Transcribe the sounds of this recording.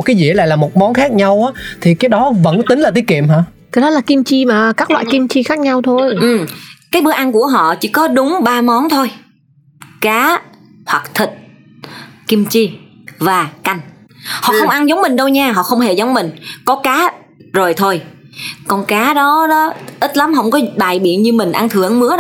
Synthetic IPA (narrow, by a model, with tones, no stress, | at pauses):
t̚kaː˨˦jzḭ˧˨ə˦la̰ː˧˨jlaː˨˩mo˨˩t̚mɔ˨˦nxaː˦˥k̚ɲa˧wʔaː˨˦t̪ʰi˨˩kaː˨˦jɗɔ˨˦və̰˧˥nt̪i˨˦ŋ̟laː˨˩t̪i˨˦əkḭ˧˨əmɦaː˧˨ | kaː˨˦jɗɔ˨˦laː˨˩ki˧mt͡ɕi˧maː˨˩kaː˦˥k̚lwa̰ː˧˨jki˧mt͡ɕi˧xaː˦˥k̚ɲa˧wt̪ʰo˧jʔɨ˨˩kaː˨˦jɓɨ˨˦əʔa˧nku˧˩əɦɔ̰˧˨t͡ɕi˧˩kɔ˨˦ɗʊ˨˦ŋ͡mɓaː˧mɔ˨˦nt̪ʰo˧j | kaː˨˦ | hwa˨˩k̚t̪ʰi˨˩t̚ | ki˧mt͡ɕi˧ | vaː˨˩ka˧jŋ̟hɔ̰˧˨xə˧wŋ͡mʔa˧nzə˨˦wŋ͡mmï˨˩ŋ̟ɗə˧wɲaː˧ɦɔ̰˧˨xə˧wŋ͡mɦe˧˩zə˨˦wŋ͡mmï˨˩ŋ̟kɔ˨˦kaː˨˦ | zo˨˩jt̪ʰo˧j | kɔ˧˩nkaː˨˦ɗɔ˨˦ɗɔ˨˦ʔi˦˥t̚la˨˦mɦə˧˩wŋ͡mkɔ˨˦ɓaː˨˩jɓi˧˩˨ənɲɨ˧mï˨˩ŋ̟ʔa˧nt̪ʰɨ˧˩˨əŋmɨ˨˦ə